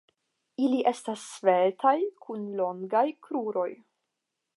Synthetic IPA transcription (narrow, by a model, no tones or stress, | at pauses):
iliʔe̞stasːve̞ltʰajkʰunlo̞ŋɡajkɾuɾo̞j